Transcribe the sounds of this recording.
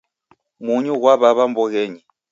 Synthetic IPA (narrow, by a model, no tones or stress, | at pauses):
muɲuɣwaβaβambɔɣɛɲi